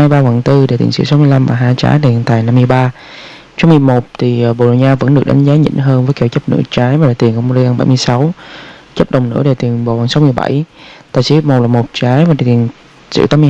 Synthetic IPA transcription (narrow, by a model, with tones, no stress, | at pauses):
jɓaː˧va˨˩ŋt̪ɨ˧ɗe˨˧˩t̪i˨˩ŋsɨ̰˧˥sa˨˦wmɨ˧əjla˧mvaː˨˩ɦaː˧jt͡ɕa̰ː˨˦jɗe˨˩nt̪aː˨˩jna˧mːɨ˧əjɓaː˧ | t͡ɕɔ˧˦ŋ͡mmɨ˨˧˩əjmo˨˩t̚t̪ʰi˨˩˨ɓo˨˩ɗo˨˩ɲaː˧və̰˧˥nɗɨ˨˩k̚ɗa˨˦ŋ̟zaː˨˦ɲḭ˧˥nɦəː˧nvəː˨˦jke˧˩wt͡ɕə˦˥p̚nɨ̰˧˥ət͡ɕaː˨˦jvaː˨˩a˨˩t̪i˨˩nko˧˩m˧˩i˧a˧nɓa̰˧˩jmɨ˧əjsa˨˦wt͡ɕə˦˥p̚ɗə˨˩wŋ͡mnɨ̰˧˥ɗe˨˩t̪i˨˩ənɓo˨˩va˨˩nsa˨˦wmɨ˧əjɓa̰˧˩jt̪a̰ː˨jsi˧˦mo˨˩laː˨˩mo˨˩t̚t͡ɕaː˨˦jvaː˨˩e˨˩t̪i˨˩n | sɨ̰˧˥t̪aː˨˦mɨ˧